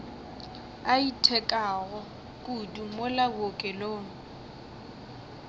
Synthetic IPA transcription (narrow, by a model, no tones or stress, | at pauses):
aitʰɛkʼaɣɔ | kʼudumʊlabokʼɛloːŋ̩